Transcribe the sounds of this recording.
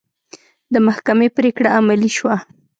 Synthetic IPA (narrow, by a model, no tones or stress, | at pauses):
d̪əmahkamepɾekɽaːmaliʃwa